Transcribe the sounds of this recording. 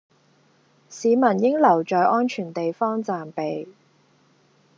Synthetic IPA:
siː˨˧mɐ˨˩njɪ˥ŋlɐ˨˩wt͡ʃɔː˨jʔɔː˥nt͡ʃʰyː˨˩nt̪e˨jfɔː˥ŋt͡saː˨mpe˨j

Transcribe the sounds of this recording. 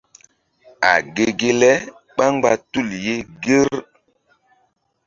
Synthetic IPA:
a̰˨ɡe˨ɡe˦lɛ˦ | ɓa˦ŋ˦ɡ͡ba˨tu˦˨lje˦ɡe˦ɾ

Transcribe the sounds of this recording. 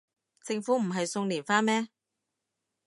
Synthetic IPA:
t͡sɪ˧ŋfuː˨˥m̩˨˩ɦɐ˨jsʊ˧ŋliː˨˩nfaː˥nmɛː˥

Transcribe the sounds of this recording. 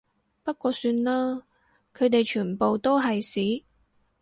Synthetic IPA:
pɐ˥t̚kʷɔː˧syː˧nlaː˥ | kʰɵ˨˧ɥt̪e˨jt͡ʃʰyː˨˩npo˨wt̪o˥wɦɐ˨jsiː˨˥

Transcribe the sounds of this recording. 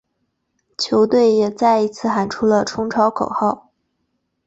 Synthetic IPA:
t͡ɕʰjo˧˥ʊt̪we˥˩ɪjɛ˨˩t͡sa˥˩ɪi˧˥t͡sʰɹ̩˥˩xa˨˩nʈ͡ʂʰu˥lə˨ʈ͡ʂʰʊ˥ŋʈ͡ʂʰɑ˧˥ʊkʰo˨˩ʊxɑ˥˩ʊ

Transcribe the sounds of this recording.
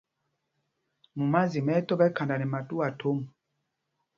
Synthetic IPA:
mu˨ma˦zi˨mɛ˦tɔ˦bɛ˦ka˨nda˨nɛ˨ma˨tu˦a˨tʰo˦m˨

